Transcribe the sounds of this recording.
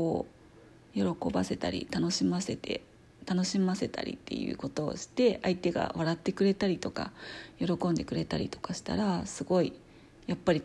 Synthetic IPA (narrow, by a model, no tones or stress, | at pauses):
oː | jo̞ɾo̞ko̞base̞t̪a̰ɾʲḭt̪ano̞ɕimase̞t̪e̞̰ | t̪ano̞ɕimase̞t̪a̰ɾʲḭt̪ːe̞̰jɯ̟̰ːko̞t̪o̞̰ːɕi̥t̪e̞ait̪e̞ɡa̰βaɾat̪ːe̞kɯ̟ɾe̞t̪aɾʲit̪o̞ka̰jo̞ɾo̞kõnd̪e̞kɯ̟ɾe̞t̪aɾʲḭt̪o̞̥kaɕi̥t̪a̰ɾasɨɡo̞i | japːaɾʲi